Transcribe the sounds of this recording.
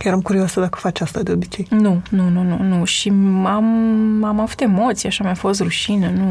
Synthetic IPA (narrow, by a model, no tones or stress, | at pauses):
kjeɾamkuɾioasəd̪akə̥fat͡ʃast̪ad̪eo̞bit͡ʃe̞jnununununuʃiamamavut̪e̞mo̞t̪sijaʃamjafo̞st̪ruʃinənu